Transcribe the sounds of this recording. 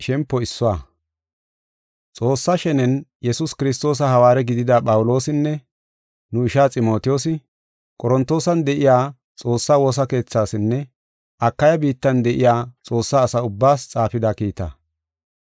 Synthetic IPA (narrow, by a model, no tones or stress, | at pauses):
ʃɛmpːɔɪsːɔwaː | t͡sʼo̞ːsːaʃɛnɛnjɛsʊskɪɾɪs̬t̪o̞ːs̬ɐhɐwaːɾɛɡɪd̪ɪd̪ɐpʼɐwʊlo̞ːsɪnːɛ | nʊɪʃaːt͡sʼɪmo̞ːt̪ɪjoːs̬ɪ | kʼɔɾɔnt̪ːo̞ːsɐnd̪ɛʔɪjaː | t͡sʼo̞ːsːaːwoːs̬ɐke̞ːt͡sːaːsɪnːɛ | ʔɐkːɐjɐbiːt̪ːɐnd̪ɛʔɪjaːt͡sʼo̞ːsːaːsɐʊbːaːst͡sʼaːfɪd̪ɐkiːt̪ɐ̰